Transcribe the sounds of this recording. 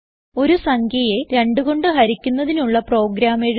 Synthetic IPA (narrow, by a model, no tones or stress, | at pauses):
o̞ɾusɐŋɡʰʱjɐjeɾeɳɖuɣo̞ɳɖɨɦɐɾikʲːunːɐðinuɭːɐpro̞ːɡɾaːmeɻ